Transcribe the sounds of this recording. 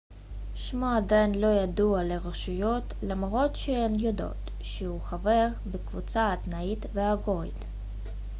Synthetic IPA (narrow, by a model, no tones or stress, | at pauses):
ʃmoadajnlo̞jadualeʁoʃujot | lamʁo̞tʃeenjod̪o̰t̪ | ʃeuχaveʁbekvut͡saat̪nait̪veaɡoḭd̪